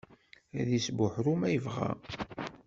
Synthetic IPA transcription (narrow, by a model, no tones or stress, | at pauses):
æðisbʊħɾumæjəvʁæ̰